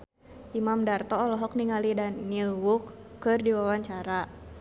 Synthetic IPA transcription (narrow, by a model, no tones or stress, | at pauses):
ʔimamdart̪ɔːlɔɦɔk̚niŋalidanːilwukːɨrdiwawaɲt͡ʃaɾa